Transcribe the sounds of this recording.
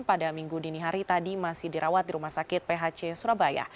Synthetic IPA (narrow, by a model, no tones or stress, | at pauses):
padamiŋɡudiniɦaɾit̪adimasɪhdiɾawat̪̚diɾumahsakɪt̪̚peɦat͡ʃesuɾabaja̰